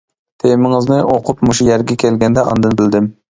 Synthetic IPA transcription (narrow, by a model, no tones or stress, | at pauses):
t̪ʰemɪŋɨznɪʔoqʰʊpmuʃujæɾɡʲɛkʲʰelɡʲɛnd̪ɛɑ̰nd̪ɨnbɪld̪ɪm